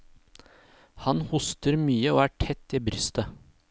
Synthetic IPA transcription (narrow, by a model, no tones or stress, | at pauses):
hɑnhʊst̪əɾmyːəoːæːʈʰɛt̪ːiːbɾʏst̪ə